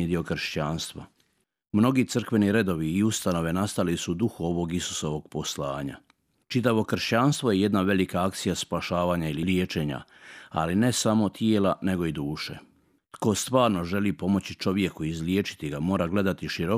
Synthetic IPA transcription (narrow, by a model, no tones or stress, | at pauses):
ed̪io̞kr̩ʃt͡ɕaːnst̪ʋa̰ | mno̞ɡiːt̪sr̩kʋe̞niɾe̞d̪o̞ʋiːust̪ano̞ʋe̞nast̪alisud̪uxuo̞ʋo̞ɡisu̥so̞ʋo̞ɡpo̞slaːɲa̰ | t͡ʃit̪̬aʋo̞kr̩ʃt͡ɕaːnst̪ʋoje̞je̞d̪naʋe̞likaakt̪sijaspaʃaːʋaːɲaililjet͡ʃe̞ɲa̰a̰line̞samo̞t̪jeːlane̞ɡo̞id̪uːʃḛ | t̪ko̞st̪ʋaːɾno̞ʒe̞liːpo̞mo̞t͡ɕit͡ʃo̞ʋje̞kuizlijeːt͡ʃi̥t̪iɡamo̞ːɾaɡle̞d̪at̪iʃiɾo̞